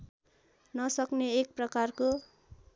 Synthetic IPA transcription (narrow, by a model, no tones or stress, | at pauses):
nʌsʌkneːk̚prʌkarko